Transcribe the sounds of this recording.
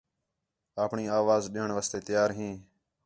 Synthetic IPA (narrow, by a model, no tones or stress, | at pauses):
aːpɳiːaːʋaːzɗeːəɳʋaːst̪eːt̪ɪjaːɾɦĩː